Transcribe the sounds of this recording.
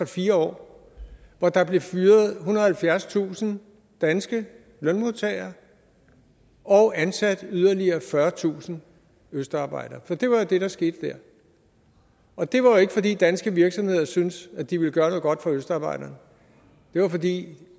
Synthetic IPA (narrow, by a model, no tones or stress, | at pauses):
ɑfiːɐɒ̰ː | ʋɒd̥ɑ̈b̥le̝fyːɐð̩ˠɦunɐð̩ˠhælfjæɐst͡sʰṵːsn̩ | d̥ænsɡ̥ə | lœnmo̝t͡sʰɛɪɐ | ʔɒ̽ʊʔænsæd̥yð̞ˠɐliɐːfɶɐt͡sʰṵːsn̩ | øsd̥ɑ̈ːb̥ɑ̈ɪ̰d̥ɐːfɒ̽d̥e̝ʋɑ̈jo̝d̥e̝ɾ̥ɑ̈sɡ̥e̝ːd̥əd̥æɐ̰ | ʔɒ̽d̥e̝ʋɑ̈joe̝ɡ̥ə̥fɒ̽d̥ḭːd̥ænsɡ̥əʋiɐɡ̥sɒ̽mhe̝ð̰ˠɐsynsæd̥iʋe̝ləɡ̥ɶːɐnɔ̽ð̩ˠɡ̥ɒ̽d̥fɑøsd̥ɑ̈ːb̥ɑ̈ɪ̰d̥ɐːnə | d̥e̝ʋɑ̈fɒ̽dḭː